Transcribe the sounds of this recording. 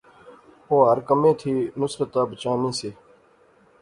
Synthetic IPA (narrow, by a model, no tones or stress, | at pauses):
oːɦəɾkəmẽːt̪ʰiːnʊsɾət̪aːbət͡ʃaːnĩːseː